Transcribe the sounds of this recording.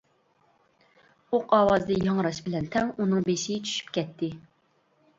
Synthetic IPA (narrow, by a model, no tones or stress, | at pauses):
oqʰɑwɑzd̪ɨjɑŋɾɑʃbɪlɛnt̪ʰɛŋunɨŋbeʃit͡ʃʰy̥ʃy̥pkʲɛt̪ʰːɪ